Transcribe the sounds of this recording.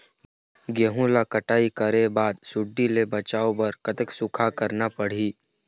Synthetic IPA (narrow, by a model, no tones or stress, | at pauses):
ɡjəɦũlakəʈaːikəɾebaːd̪sʊɖːilebɐt͡ʃaːobɐɾkət̪əksʊkʰakəɾnapəɽ̤iː